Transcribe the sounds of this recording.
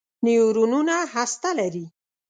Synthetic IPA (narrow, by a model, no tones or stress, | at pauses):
nijuɾununahast̪alaɾi